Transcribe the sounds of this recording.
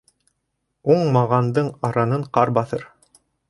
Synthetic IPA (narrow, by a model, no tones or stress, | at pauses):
uɴmɑʁɑnd̪ɤɴɑɾɑnɤɴqɑɾbɑθɤɾ